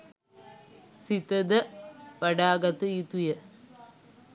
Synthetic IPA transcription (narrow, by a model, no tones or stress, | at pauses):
sit̪ɐd̪ɐpɐɽaːɡɐt̪ːɨit̪ujɐ